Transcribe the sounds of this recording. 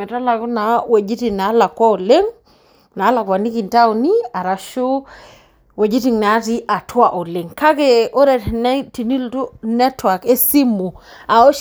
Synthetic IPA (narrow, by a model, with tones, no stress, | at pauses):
ɛ˨ta˦la˨ku˦na˨˦we˨d͡ʒi˦ti˨na˨˦la˨kːɔ˦o˨le˦ŋ | na˨˦la˨kwa˨ni˦ki˨nta˦u˨ni˦a˨ɾa˨ʃo˦ | we˨d͡ʒi˦ti˦˨ŋna˨˦ti˦ʔa˨twa˨ʔo˨le˨ŋka˦ke˨o˦ɾɛ˨tnɛ˦ti˨ni˦ltu˦nɛ˦twa˨ke˦si˦mu˨ | a˨o˦ʃ